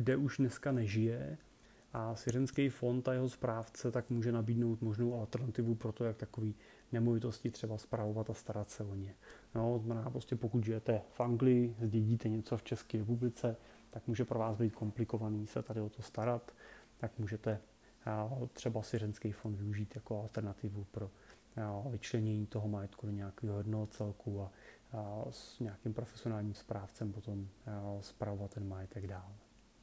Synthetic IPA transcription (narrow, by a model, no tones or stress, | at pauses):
ɡdɛʔuʒdnɛskanɛʒɪjɛ | ʔasvjɛɾɛnskɛjfo̞nt̪ajɛɦospɾaːft͡sɛt̪akmuːʒɛnabiːdno̞wt̪mo̞ʒno̞wʔalt̪ɛɾnat̪ɪvupɾot̪o̞jakt̪ako̞viː | nɛmo̞vɪt̪o̞scɪt̪r̝̥ɛbaspɾavo̞vat̪ast̪aɾat̪sɛoɲɛnot̪oznmɛnaːpɾoscɛpokut̪ʒɪjɛt̪ɛfʔaŋɡlɪɪzɟɛɟiːt̪ɛɲɛt͡so̞ft͡ʃɛskiːɾɛpublɪt͡sɛ | t̪akmuːʒɛpɾovaːzbiːt̪̚kʰo̞mplɪko̞vaniːsɛt̪adɪot̪o̞st̪aɾat̪ː | akmuːʒɛt̪ɛ | t̪r̥ɛbasvʲjɛɾɛnskɛjfondvɪuʒiːt̪jakoalt̪ɛɾnat̪ɪvupɾo̞ | vɪt͡ʃlɛɲɛɲiːt̪o̞ɦomajɛt̪kudo̞ɲɛakiːɦojɛdnoɦot͡sɛlkʰua | sɲɛakimpɾo̞fɛsɪo̞naːlɲiːmspɾaːft͡sɛmpot̪o̞mspɾavovat̪ːɛnmajɛt̪ɛɡdaːl